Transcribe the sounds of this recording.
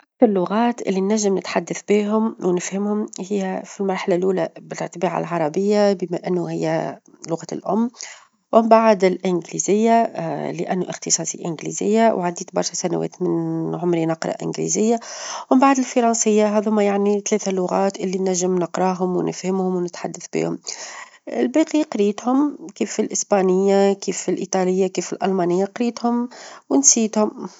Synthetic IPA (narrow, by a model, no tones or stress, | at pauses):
ʔakθɑɾˤlʊɣɑːt̪ʔɪ̰lːinːæʒːɪmnɪt̪ħad̪ːaθbiːɦʊmwnɪfhɪmhʊmhɪjːæfilmɑɾˤħalalʔuːlæbɪl̰t̪biːʕa̰lʕɑɾˤɑbɪjːabɪmæʔɪnːuhɪjːæ | lʊɣaːlʔʊmː | wɪmbaʕd̪ɪlʔɪnɡlizɪjːalɪʔæ̰nːuʔɪxt̪əsˤɑːsˤḭʔɪnɡlḭzɪjːawʕad̪iːt̪bɑɾˤʃæsænæ̰wɛ̰ːt̪mɪnʕʊmɾinɑqɾˤɑ̰ʔɪ̰nɡlḭzɪjːawmbaʕd̪ɪlfɑɾˤɑnsɪjːaɦæːðhʊmajaʕnit̪lɛːθalʊɣɑːt̪ʔɪlːinːæʒːɪmnəqɾˤɑɦʊmwnɪ̰fhɪmhʊmwnɪt̪ħad̪ːaθbḭːhʊm | ɪ̰lbæqiqɾiːt̪hʊmkiːfilʔɪsbɑnɪjːakiːfilʔiːt̪ˤɑlɪjːakiːfilʔɑ̰lmɑnɪjːaqɾiːt̪hʊmwɪnsiːt̪hʊm